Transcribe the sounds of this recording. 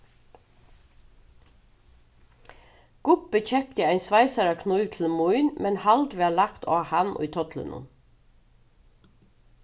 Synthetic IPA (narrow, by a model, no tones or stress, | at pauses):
ɡ̥ʊp̚bəc͡çɛkt̪əæɪnsʋɑɪsɑɾɑkʰnʉːʋt̪ʰl̩muʏnmɛnhɑld̪ʋæːɭɑkt̪ʰo̰ːhɑnʔṵːt̪ʰɔt̪ʰlə̰nʔʊ̰m